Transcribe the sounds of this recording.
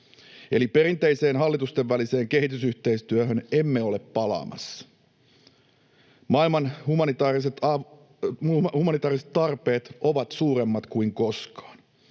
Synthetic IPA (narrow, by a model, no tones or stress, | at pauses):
e̞lipe̞ɾint̪eise̞ːnɦɑlːit̪ust̪eʋːælise̞ːŋke̞ɦit̪ysyht̪e̞ist̪yøɦøne̞mːeo̞le̞pːɑlɑ̰ːmɑ̰sːɑ̥ | mɑilmɑnhumɑnit̪ɑːriset̪ɑ | humɑnit̪ɑːriset̪ːɑrpe̞ːt̪o̞ʋɑt̪suːɾe̞mːɑt̪kuiŋko̞skɑ̥ːn